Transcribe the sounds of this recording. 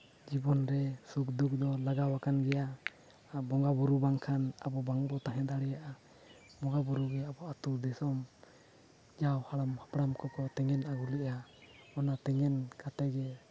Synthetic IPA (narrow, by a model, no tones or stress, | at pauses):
d͡ʒibɔnɾɛsuk̚d̪uk̚d̪ɔlaɡawakanɡɛja | bɔŋɡabuɾubaŋkʰanabɔbaŋbɔt̪aɦɛ̃d̪aɽɛjaʔa | bɔŋɡabuɾuɡɛabɔat̪uɾd̪ɛsɔm | d͡ʒawhaɽamhapɽamkɔkɔt̪ɛŋɛnaɡulɛʔaɔnat̪ɛŋɛnkat̪ɛɡɛ